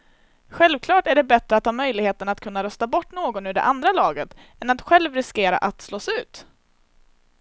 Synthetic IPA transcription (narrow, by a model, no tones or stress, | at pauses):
ɧɛlvkʰlɑːʈæɖɛbɛt̪ɾəat̪hɑːmœjlɪɡheːt̪ənat̪kʰɵnːaɾœst̪abɔʈːnoːɡɔnɵɖɛ̰ʔand̪ɾalɑːɡət̪ | ɛnat̪ɧɛlvɾɪskeːɾa̰ʔat̪slɔsʉ̟ːt̪